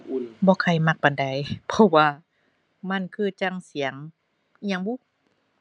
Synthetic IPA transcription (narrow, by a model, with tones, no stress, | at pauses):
bɔː˧˨kʰa˧˩jma˧˩k̚ba˨nda˨˦jpʰɔ˧waː˧ | ma˧˥˨nkʰɯː˧˩t͡ɕa˧˨ŋsi˨˩˦ɐŋ˧ | ɲa˧˦ŋbuː˧˥˨